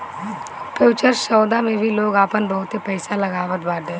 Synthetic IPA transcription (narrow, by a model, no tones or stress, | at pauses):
peːt͡ʃəɾsɔːd̪amẽbʱiloːɡaːpənbɔɦʊt̪ɦepɛːɪsalɐɡaːʋət̪̚baːd̪ẽː